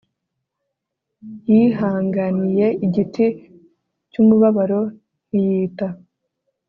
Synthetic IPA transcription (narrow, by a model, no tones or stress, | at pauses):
jiɦaːŋɡanije̞ʔiɟitʰi | cumuβaβaɾo̞ | nijiːta